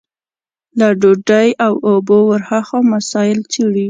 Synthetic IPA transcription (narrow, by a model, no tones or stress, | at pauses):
laɖoɖajawobowəɾhaxomasɑjɪlt͡siɽi